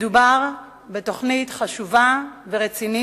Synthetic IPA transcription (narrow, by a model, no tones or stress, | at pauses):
dubaʁ | beto̞χnitχaʃuvaveʁet͡sini